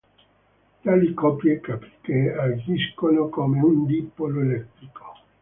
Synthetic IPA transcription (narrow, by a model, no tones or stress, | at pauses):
t̪alikɔpjekapi̥t̪ead͡ʒiskonokomeund̪ipːoloelɛt̪ːɾiko̥